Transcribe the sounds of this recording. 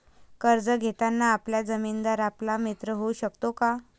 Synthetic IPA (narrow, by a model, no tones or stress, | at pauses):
kəɾd͡zəɡʱet̪anːaːpljad͡zəmind̪aɾaplamit̪ɾəɦouɕəkt̪oka